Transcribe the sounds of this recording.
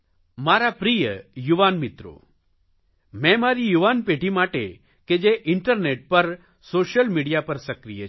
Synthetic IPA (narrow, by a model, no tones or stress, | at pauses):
maɾapɾijəjuʋanmit̪ɾo̰ | mɛ̃maɾijuʋanpeʈimaʈḛ | ked͡ʒeʔɪɳʈəɾneʈ̚pəɾ | soʃəlmiɽijapəɾsəkɾijə